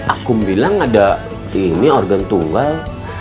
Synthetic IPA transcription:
ʔa̰kʊmbilaŋada | iniɔrɡant̪uŋɡal

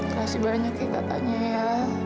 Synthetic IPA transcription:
kasibaɾaɲakika̰t̪a̰ɲaja

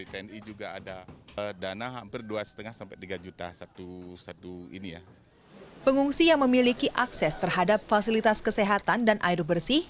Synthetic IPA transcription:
ipɛɛnid͡ʒuɡaːdadanaɦampɪrduasə̥t̪əŋahsampɛt̪iɡad͡ʒut̪a̰sat̪usat̪uḭnija̰ | pəŋuŋsijaŋməmilikiʔaksɛst̪ərɦadap̚fasilit̪askəseɦat̪andanʔaiɾbərsi

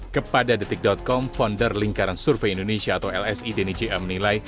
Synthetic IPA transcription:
kəpadadit̪ɪk̚dɔt̪̚kɔmfɔndərliŋkaɾansurfeindonesiaːt̪awɛlɛsidenid͡ʒeamənilaj

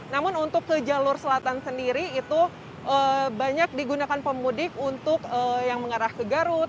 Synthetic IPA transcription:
namʊnunt̪ʊkːəd͡ʒalʊrsəlat̪ansəndiɾiːt̪u | ʔəbaɲak̚diɡunakanpəmudɪkunt̪ʊkəjaŋməŋaɾahkəɡaɾʊt̪̚

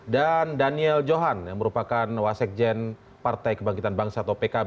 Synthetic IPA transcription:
dandaniɛld͡ʒoɦanjaŋməɾupakanwasɛk̚d͡ʒɛn | part̪ajkəbaŋkit̪anbaŋsaːt̪awpekab

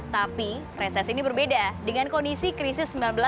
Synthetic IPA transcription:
t̪api | resɛsinibərbedadəŋankondisikɾisɪsːəmbilanbəla

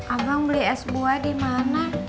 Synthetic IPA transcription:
ʔabaŋbəliɛsboadimana

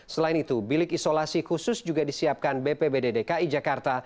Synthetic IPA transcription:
səlaɪnit̪ubilɪkisolasikusʊsd͡ʒuɡadisiap̚kanbepebededekaid͡ʒakart̪a

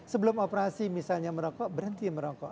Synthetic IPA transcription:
səbəlʊmopəɾasimisalɲaməɾɔkɔʔbəɾənt̪iməɾɔkɔʔ

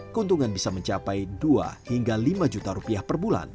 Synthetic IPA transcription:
kəunt̪uŋanbisaməɲt͡ʃapajdua̰hiŋɡalimad͡ʒut̪aɾupiahpərbula̰n

